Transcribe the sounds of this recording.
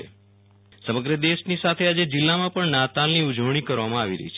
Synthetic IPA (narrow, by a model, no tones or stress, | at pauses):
e | səməɡɾəd̪eʃnisat̪ʰead͡ʒed͡ʒɪlːamãpəɳnat̪alniʊd͡ʒəʋɽ̃ikəɾʋamãaʋiɾə̰ɦit͡ʃʰ